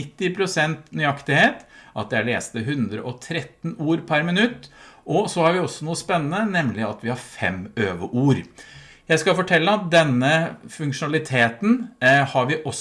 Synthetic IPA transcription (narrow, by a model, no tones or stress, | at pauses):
ɪt̪ːɪpʰɾʊsɛnt̪nʏɑkt̪ɪheːt̪ʔɑ̰t̪̚d̪ɛæɭeːst̪əɦʉnd̪ɾə̰ʔɔt̪ʰɾɛt̪nuːɾpʰæɾmɪnʉt̪ːʔɔsɔhɑɾʋɪɔsːɔnuːəspɛnːənənɛmlɪɑt̪ʋɪhɑɾfɛ̰møːʋəʔuːɾ | jæɪskɑfɔʈʰɛlːəɑt̪̚d̪ɛnːəfʉŋkʂʊnɑlɪt̪ʰeːt̪nhɑɾʋɪʔɔ